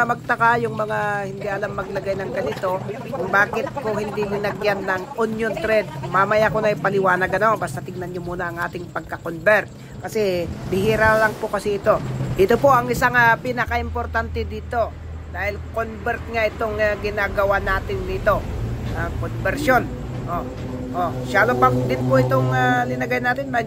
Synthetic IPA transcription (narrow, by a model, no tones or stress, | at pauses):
mɐɡ̚t̪ɐkajʊŋmɐŋahɪnd̪iʔɐlamːɐɡlɐɡajnɐŋɡɐnɪt̪o̞ | kʊŋbaːkɪt̪̚kohɪnd̪imɪnɐɡjanːɐŋʔunjont̪ɾɛd̪̚mamɐjakonɐɐjpɐlɪwaːnɐɡɐno̞bast̪ɐt̪ɪŋnɐnɲomuːnɐɐŋʔaːt̪ɪŋpɐɡ̚kɐkonbɛɾt̪̚ | kɐsɛbɪhiːɾalɐŋpokɐsiɪt̪o̞ʔɪt̪opo̞ʔɐŋɪsaŋapinɐkɐʔɪmpoɾt̪ant̪ɛd̪iːt̪o̞ | d̪aːhɪlkonbɛɾt̪̚ŋaʔɪt̪oŋaɡɪnaɡɐwanaːt̪ɪnːɪt̪o̞akonbɛɾʃo̞n | ʔo | ʔoʃaːlopɐŋd̪ɪnpoʔɪt̪oŋalɪnɐɡajnaːt̪ɪnmɐ